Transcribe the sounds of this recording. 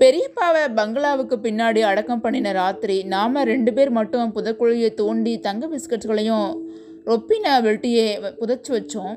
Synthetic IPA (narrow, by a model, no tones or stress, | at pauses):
pɛɾɪjɐpːaːʋɐbɐŋɡɐɭaːʋɯkːɯpɪnːaːɽiɐɽɐkːɐmpɐɳːɪnɐɾaːt̪ɪɾinaːmɐɾɛɳɖɯpeːɾmɐʈːɯ̃pʊðɐkːɔɭjet̪oːɳɖit̪ɐŋɡɐbɪskɐʈɣɐɭɐjʊ̃ | ɾɔpːɪnɐʋɛʈːɪjeːpʊðɐt͡ʃːɯʋɐt͡ʃːʊ̃